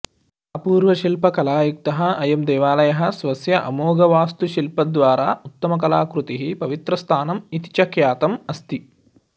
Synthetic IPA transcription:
ɐpuːɾʋɐʃilpɐkɐlaːjuk̚t̪ɐɦɐɐjɐmd̪ɛːʋaːlɐjɐɦɐsʋɐsjɐʔɐmoːɡɐʋaːst̪uʃilpɐd̪ʋaːɾaːut̪ːɐmɐk̬ɐlaːkɾut̪iɦipɐʋit̪ɾɐst̪ʰaːnɐmit̪i̥t͡ʃɐkjaːt̪ɐmɐst̪i

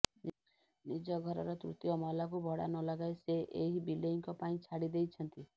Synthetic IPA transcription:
nid͡ʒɔɡʱɔɾɔɾɔt̪ɾṵt̪iɔmɔlak̬ubʱɔɽa̰nɔlaɡaeseʔeɦibileiŋkɔpaĩt͡ʃʰaɽid̪ejt͡ʃʰɔnt̪i

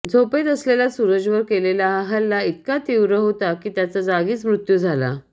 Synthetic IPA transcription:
d͡zʱopet̪əslelasuɾəd͡ʑʋəɾkelelaɦalːait̪kat̪iwɾəɦot̪akiːt̪jat͡sad͡zaɡiːt͡smɾut̪jud͡zʱala̰

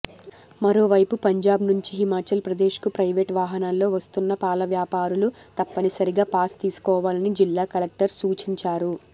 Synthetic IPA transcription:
mɐɾo̞ːʋɐjpupɐɲd͡ʒaːbnuɲt͡ʃiɦimaːt͡ʃɐlpɾɐd̪e̞ːʃkupɾɐjʋeːʈʋaːɦɐnaːlːo̞ːʋɐst̪unːɐpaːlɐʋjaːpaːɾulut̪ɐpːɐnisɐɾiɡaːpaːst̪iːsu̥kɔːʋaːlɐnid͡ʒilːaːkɐlek̚ʈɐɾsuːt͡ʃiɲt͡ʃaːɾu

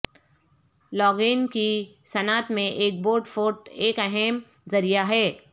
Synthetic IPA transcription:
lɔːɡeːnkisɐnaːt̪mẽʔeːk̚boːʈfoːʈeːkɛɦɛm | zɐɾijaɦɛː

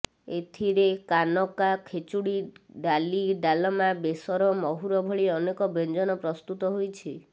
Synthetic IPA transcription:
et̪ʰiɾekanɔkakʰet͡ʃuɽiɖaliɖalɔmabesɔɾɔmɔɦuɾɔbʱɔɭiɔnekɔbend͡ʒɔnɔpɾɔst̪ut̪ɔɦojt͡ʃʰi

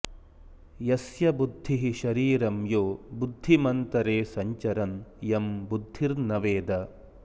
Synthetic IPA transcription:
jɐsjɐbud̪ʱːiɦiʃɐɾiːɾɐmjoːbud̪ʱːimɐnt̪ɐɾeːsɐɲt͡ʃɐɾɐnjɐmbud̪ʱːiɾnɐʋeːd̪ɐ

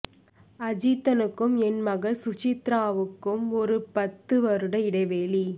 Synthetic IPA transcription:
ɐd͡ʒiːt̪ːɐnɯkːɯmɛnmɐɣɐɭsʊt͡ʃɪt̪ɾaːʋɯkːɯmɔɾɯpɐt̪ːɯʋɐɾɯɽɐɪɽɐɪʋeːli

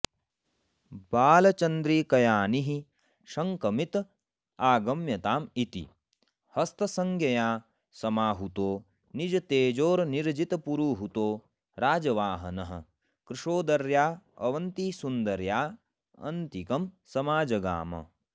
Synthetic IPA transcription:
baːlɐt͡ʃɐnd̪ɾiːkɐjaːniɦi | ʃɐŋkɐmit̪ | aːɡɐmjɐt̪aːmit̪ḭ | hɐst̪ɐsɐŋɡjɐjaː | sɐmaːɦut̪oː | nid͡ʒɐt̪eːd͡ʒoːɾniɾd͡ʒit̪ɐpuɾuːɦut̪oː | ɾaːd͡ʒɐʋaːɦɐnɐɦɐ̰ | kɾiʂoːd̪ɐɾjaːɐ̰ʋɐnt̪isund̪ɐɾjaː | ɐ̰nt̪ikɐmsɐmaːd͡ʒɐɡa̰ːmɐ̰

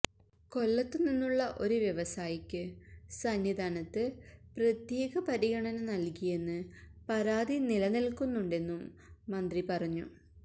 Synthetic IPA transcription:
ko̞lːɐt̪ːɨninːuɭːɐʔo̞ɾuʋjeʋɐsaːjikʲːɨsɐnjid̪ʱaːɳɐt̪ːɨprɐt̪je̞ːɣɐpɐɾiɣɐɳɐnɐnɐlkije̞nːɨpɐɾaːd̪inilɐnilkunːuɳɖe̞nːumːɐnd̪ripɐrɐɲːṵ

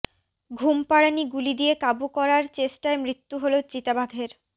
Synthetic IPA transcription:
ɡʱumpaɽaniɡulid̪iekabukɔɾaɾt͡ɕesʈaemɾit̪ːuɦolot͡ɕit̪abʱaɡʱeɾ

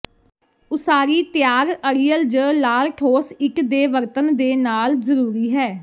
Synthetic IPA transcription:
ʊsaːɾiːt̪ɪjaːɡəɾijəld͡ʒəlaːɾʈʰoːsɪkd̪eːʋəɾt̪ənd̪eːnaːlzəɾuːɾiːɦɛː

